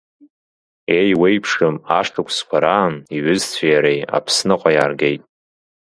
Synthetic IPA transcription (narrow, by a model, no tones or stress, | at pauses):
e̞jwejpʰʂɨmaʂtʰakʷʰʼskʷʰaɾaniɥʏzt͡sʷʰajaɾeja̰pʰsnɨqʷʼajaːrɡe̞jtʼ